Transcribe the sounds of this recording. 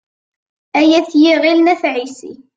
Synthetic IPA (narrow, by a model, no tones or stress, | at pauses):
æjæθjiʁilnæθʕisḭ